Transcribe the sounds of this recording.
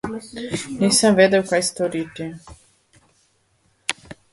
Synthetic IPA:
niːsamved̪ɛwkajst̪oɾit̪i

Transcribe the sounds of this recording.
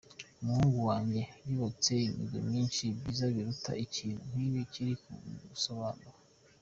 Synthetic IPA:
umuhuːŋɡuwaːɲɟe̞niβot͡seimḭɡo̰mɲiːnʃibɟizaβiɾutʰa̰iciːnun̥iβiciɾikuṵɡuso̞βaːnuɾa

